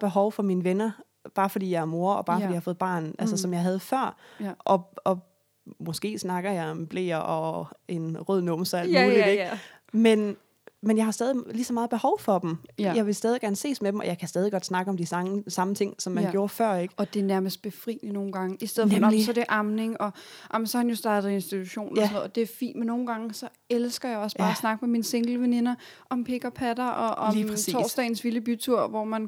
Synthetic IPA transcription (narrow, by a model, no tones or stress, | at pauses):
b̥e̝ɦɒʊfɒ̽minəʋenɐ | b̥ɑ̈ːfɒ̽d̥ḭːjɑæɐmo̝ɐɒ̽b̥ɑ̥̈ːfdḭjɑhɑfo̽ːð̩ˠb̥ɑ̰̈ːnʔælsəsɒmjɑ̈ɪɦæð̞ˠəfɶɐ̰ʔɒ̽ɒ̽ | mɔ̽sɡ̥e̝̰ːsnɑ̈ɡ̥ɐjɑ̈ɪɒ̽mb̥le̝̰ːɐʔɒ̽e̝nʁɔð̞̰ˠnɔm̩sæl̰̥uːlide̥ | men | menjɑ̈ɪhɑ̈sd̥ɛːðˠilisɒmɑ̈ːð̩ˠb̥e̝hɒʊfɒ̽d̥em̩jɑ̈ɪʋe̝sd̥ɛːð̞ˠiɡ̥æɐnəse̝̰ːsmed̥emʔɒ̽jɑ̈ɪkʰæsd̥ɛːðˠiɡ̥ɒ̽d̥snɑ̈ɡ̥əɒ̽md̥isɑ̈sɑ̈mət͡sʰe̝ŋ̰sɒ̽mːænɡjo̝ːɐfɶɐ̰e̝ɡ̥əɒ̽d̥e̝ɐnæɐməsd̥̚b̥e̝fʁḭːlino̝ːn̩ɡ̥ɑ̈ŋəisd̥eð̰ˠɒnɒsɒd̥eʔɑ̈mne̝ŋɒ̽ʔɑmən̩sɒhænjo̝sd̥ɑ̈ːd̥ð̩ˠensd̥it͡sʰuɕo̝̰ːnnoðˠd̥e̝ɐfḭːnmenːo̝ːn̩ɡ̥ɑ̈ŋəsɒ̽ | elsɡ̥ɐjɑ̈ɪɒ̽sb̥ɑ̈ːæsnɑ̈ɡ̥əmeminse̝ŋɡ̥l̩əʋene̝nɐ | ʔɒ̽mpʰe̝ɡ̥ɐpʰæɾɐʔɒ̽ʔɒ̽liit͡sʰɒːsdd̥ɛ̰ːn̩sʋiləb̥yt͡sʰuɐ̰ʋɒmæn